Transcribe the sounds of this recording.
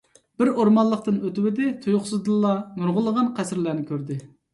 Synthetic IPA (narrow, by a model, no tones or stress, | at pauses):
b̥ɪɾoɾmɑllˠəq̚t̪ɨnøt̪ɪwɪd̪ɪt̪ʰujʊχsɨzd̪ɨlˠːɑmuɾʁʊlˠːəʁɑnqʰæsɪɾlæːnɪkʲʰøɾd̪ɪ